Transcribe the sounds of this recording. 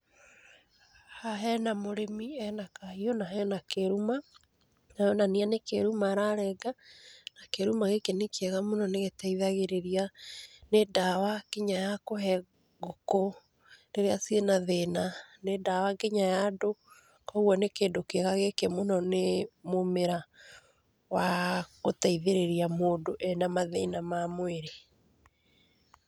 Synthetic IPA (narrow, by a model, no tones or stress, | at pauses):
haɦɛnamoɾemiɛnakahiɔnaɦɛnakeɾuma | najɔnanianekeɾumaɾaɾɛɡanakeɾumaɣekenekʰeɛɣamonɔneɣetɛiðaɣeɾeɾianedawaɡ̥eɲajakoɦɛ | ɣoko | deɾeasienaðenanedawaɡeɲajado | kɔɣwɔnekeːndokɛɣaɣekemonɔnemomeɾa | waɣotaiðeɾeɾiamoːdoʔɛnamaðenamamweɾe